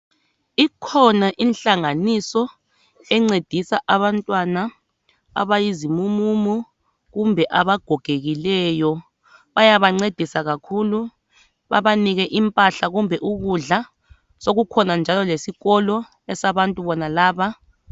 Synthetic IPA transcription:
ikʰɔnaʔinɬaŋanisɔ | ɛŋ͡ǀed̥ʱisaʔaβantʼwana | a̰βajizimumumu | ɣumbʱɛʔaβaɡ̥ʱɔɡ̥ʱeɣilɛjɔ | βajaβaŋ͡ǀed̥ʱisaɣakʰulu | βa̰βaniɣɛʔimpʼaɬaɣumbʱɛʔuɣuɮa | soɣukʰɔnand͡ʒʱalɔlesiɣɔlɔ | ɛsaβantʼuβɔnalaːβa

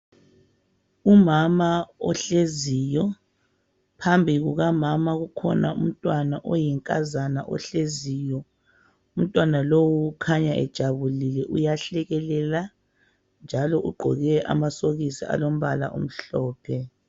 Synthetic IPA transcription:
umamaɔ̰ɬezijɔ | pʰambʱiɣuɣamamaɣukʰɔ̰na̰ṵm̩tʼwanaʔɔjiŋkʼazanaʔɔ̰ɬezijɔ | um̩tʼwanalowuːkʰaɲaʔɛ̰d̥ʒ̥ʱaβulilɛʔujaɬɛɣɛlɛla | nd͡ʒʱalɔʔuɡ͡ǃʱɔɣɛʔa̰masoɣisḭa̰lom̩βala̰ʔo̰m̩ɬɔːpʰɛ

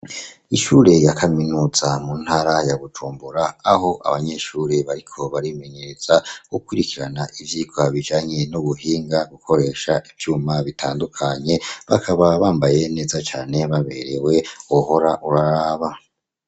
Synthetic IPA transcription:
iʃuːɾe̞jakʰaminuːz̥amuːn̥haɾajaβud͡ʒuːmbuɾaːɦo̞ʔa̰βaɲe̞ʃuːɾe̞βaɾikʰo̞βaɾime̞ɲe̞ɾez̥aukwiɾikiɾanaʔivjiɡwaβid͡ʒaːɲe̞nuβuɦiːŋɡaɡukʰo̞ɾe̞ːʃaʔivjuːmaβitʰaːndukʰaɲe̞βakʰaβaβaːmbaje̞ne̞ːzat͡ʃaːne̞βaβe̞ɾe̞we̞oho̞ɾaʔuɾaɾaːβa

